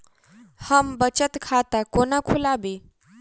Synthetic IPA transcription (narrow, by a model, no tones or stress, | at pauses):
həmbət͡ɕət̪kʰat̪akonakʰulabe